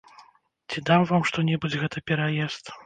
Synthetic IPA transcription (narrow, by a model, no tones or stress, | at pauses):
t͡sʲid̪amvamʂt̪ɔnʲɛbud͡zʲɣɛt̪ɐpʲɛɾajɛst̪